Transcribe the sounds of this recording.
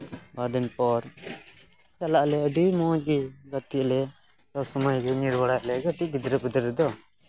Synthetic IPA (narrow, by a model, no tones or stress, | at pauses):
bad̪inpɔɾ | t͡ʃalaʔlɛəɖimɔ̃d͡ʒɡiɡət̪iʔlɛ | tɔsɔmajɡɛŋiɾbaɽajʔlɛɡəʈiʔbid̪ɾəbud̪ɾɛd̪ɔ